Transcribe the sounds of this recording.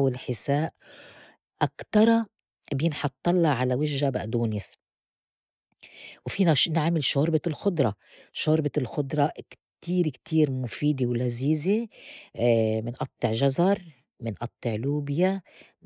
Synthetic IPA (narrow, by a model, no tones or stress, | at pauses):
wɪlħɪsaːʔ | ʔakt̪ɑɾˤɑ | bjɪnħɑt̪ˤːɑlːɑʕalawɪʒːabʔd̪uːnɪs | wfiːnaʃnɪʕmɪlʃoːɾbɪlxʊd̪ˤɾˤɑʃoːɾbɪlxʊd̪ˤɾˤɑk | t̪iːɾkt̪ʰiːɾmʊfiːd̪ewlaziːze | mɪnʔɑt̪ˤːɨʕʒazɑɾˤ | mɪnʔɑt̪ˤːɨʕluːbja